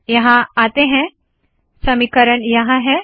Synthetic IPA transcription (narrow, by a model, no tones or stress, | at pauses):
jɐɦãat̪eɦɛ̃ | səmikəɾəɳjɐɦãɦɛ̃